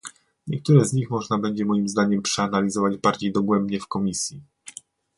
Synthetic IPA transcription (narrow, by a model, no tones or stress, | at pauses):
ɲɛkt̪uɾɛzɲixmɔʐnabɛɲd͡ʑɛmɔjimzd̪aɲɛmpʂɛanalʲizɔvad͡ʑbaɾd͡ʑejd̪ɔɡwɛmbɲɛfkɔmʲisʲji